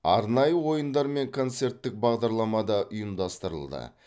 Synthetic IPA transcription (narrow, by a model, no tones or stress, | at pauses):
ɑ̰ɾnɑjəwo̞jənd̪ɑɾme̞ŋkʰo̞nt̪se̞ɾt̪ːɪk̚bɑʁd̪ɑɾlˠɑmɑd̪ɑʔʊjəmd̪ɑst̪əɾə̰lˠd̪ə̰